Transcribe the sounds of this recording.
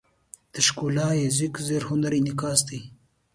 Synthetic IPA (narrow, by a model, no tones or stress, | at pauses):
d̪̥əʃkulɑːjezɪkzeɾhʊnaɾinɪkɑːsd̪i